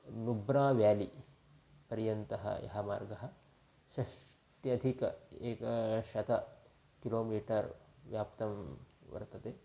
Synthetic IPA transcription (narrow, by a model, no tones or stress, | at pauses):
nubɾaːʋjaːli | pɐɾjɐnt̪ɐɦɐ̰jɐ̰ɦɐma̰ːɾɡɐɦɐ̆ | ʃɐʂ | ʈiɐd̪ʱikɐeːkɐʃɐt̪ɐ | kiloːmiːʈɐɾʋjaːpt̪ɐmʋɐ̰ɾt̪ɐt̪eː